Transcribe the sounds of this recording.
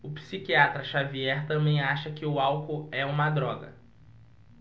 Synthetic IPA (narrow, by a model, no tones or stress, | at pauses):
ʊpsikiat̪ɾɐʃaviɛɾt̪ɐ̃mbẽj̃aʃɐkɪʊawkʊɛũmɐd̪ɾɔɡɐ̰